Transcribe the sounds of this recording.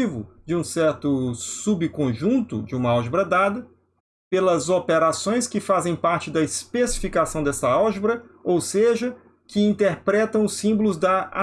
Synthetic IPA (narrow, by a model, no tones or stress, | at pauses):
ivʊd͡ʒɪũsɛɾt̪ʊsubɪkõʒũnt̪ʊ̰d͡ʒɪũmɐawʒbɾɐd̪ad̪ɐ | pelɐzopeɾasõj̃skɪfazẽj̃paɾt͡ʃɪd̪ɐɪspesi̥fikasɐ̃w̃d̪ɛsɐawʒbɾɐowseʒɐ | kɪĩnt̪eɾpɾɛt̪ɐ̃w̃ʊsːĩmbolʊzd̪ɐa